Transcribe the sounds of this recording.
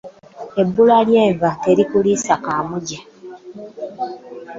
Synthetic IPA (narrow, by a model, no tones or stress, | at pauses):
e̞bːulaljeːvate̞ɾikulisakaːmuɟa